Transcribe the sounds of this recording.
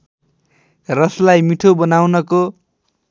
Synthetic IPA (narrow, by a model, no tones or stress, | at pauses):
rʌslajmiʈʰobʌnawnʌko